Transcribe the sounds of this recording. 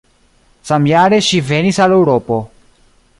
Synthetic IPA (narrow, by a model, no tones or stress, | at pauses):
samjaɾeʃivenisalewɾopo̞